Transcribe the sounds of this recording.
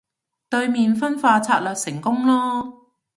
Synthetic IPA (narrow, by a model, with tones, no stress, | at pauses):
t̪ɵ˧ɥmiː˨nfɐ˥nfaː˧t͡sʰaː˧t̚lœː˨˧k̚sɪ˨˩ŋkʊ˥ŋlɔː˥